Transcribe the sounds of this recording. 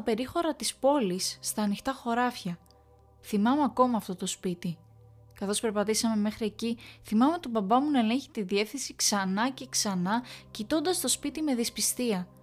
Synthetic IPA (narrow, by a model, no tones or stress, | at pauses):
ɐpe̞ɾixo̞ɾɐt̪ispo̞lisːt̪ɐːnixt̪ɐxo̞ɾɐfçɐ | θimɐmeɐko̞mɐːft̪o̞t̪o̞spit̪i | kɐθo̞spe̞ɾpɐt̪isɐme̞me̞xɾie̞ciθimɐmet̪o̞bɐbɐmunɐele̞ɲçi̥t̪iðie̞fθinsiksɐnɐce̞ksɐnɐcit̪o̞nd̪ɐst̪o̞spit̪ime̞ðispist̪iɐ